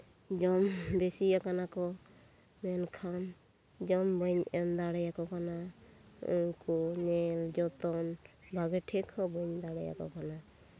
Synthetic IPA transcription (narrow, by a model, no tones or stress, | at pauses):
d͡ʒɔmbesiakanakɔ | mɛnkʰan | d͡ʒɔmbɯɲɛnd̪aɽɛjakɔkana | ṵŋkɔnɛld͡ʒɔt̪ɔnbʱaɡɛʈʰɛkʰɔbɔɲd̪aɽɛja̰kɔ̰kana